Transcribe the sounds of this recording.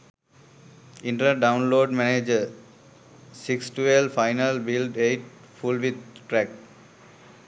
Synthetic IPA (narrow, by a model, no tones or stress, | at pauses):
ĩɳʈɾaɖãʊ̃nloːɖmɛned͡ʒə | siksʈuelfaɪnəlbilɖeːʈ̚ | fulʋid̪̚ʈɾɛk̚